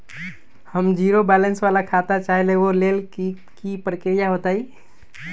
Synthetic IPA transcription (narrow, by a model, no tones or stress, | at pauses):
həmd͡ʒiɾobɛlensʋalakʰat̪at͡ʃaɦileolel | kipɾəkiɾijaɦot̪ai